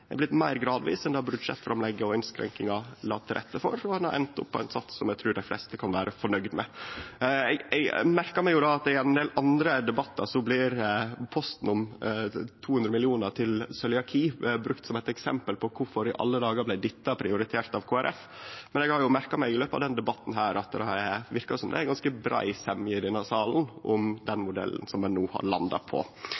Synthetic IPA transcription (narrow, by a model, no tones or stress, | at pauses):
ɛblɪt̪mæɪɾɡɾɑːd̪ʋḭːsɛnd̪ɑbʉd̪ʂɛ̰t̪fɾɑmlɛɡːəɔɪnskɾɛ̰ŋkɪŋɑlɑ̰ːt̪ʰːɾʔɛ̰t̪ːəfɔ̰ɾɔhɑnɑɾʔɛ̰nt̪ʊ̰pːɔæɪnsɑt̪sːɔmɛɡt̪ʰɾʉːɖæɪflɛ̰st̪əkʰɑnʋæːɾʔəfɔɳœɡd̪mɛ̰ | ɛɡɛɡmæɾkɑɾmɛɪjʊd̪ɑɑt̪ɪɛnnd̪eːlʔɑnd̪ɾəd̪ɛbɑt̪ːɑ̰sɔblɪɾpʰɔst̪n̩ʊm | t̪ʰuːhʉnd̪ɾəmɪlɪuːnəɾʈ̪ʰɪlsœljɑkʰiːbɾʉk̚t̪sɔmɛæɪt̪ɛksɛ̰mpəlpʰɔkʰʊɾfɔɾɪʔɑ̰lːəd̪ɑːɡəɾblæɪd̪ɪt̪ːɑpʰɾɪʊɾɪt̪ʰeːɾt̪ɑʋkʰoːæɾʔɛf | mɛnɛɡhɑɾjʊmæɾkɑmɛɪɪløːpɑ̰ʋd̪ɛnd̪ɛbɑt̪ːn̩ɦæːɾɑt̪̚d̪ʋɪɾkɑsɔmd̪ɛ̰æɡɑnskəbɾʔɑ̰ɪsɛmːjɪd̪ɪnɑsɑːln̩ʔʊmd̪ɛnmʊd̪ɛ̰lːnsɔmːɛnːuːhɑ̰ɾɭɑ̰nd̪ɑ̰pʰɔ̰